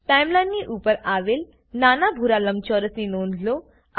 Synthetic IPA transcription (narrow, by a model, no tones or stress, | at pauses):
ʈajmlãnniʔuːpəɾaːʋeːl | naːnabʱuɾalɐmt͡ʃɔːɾəsninoːnlo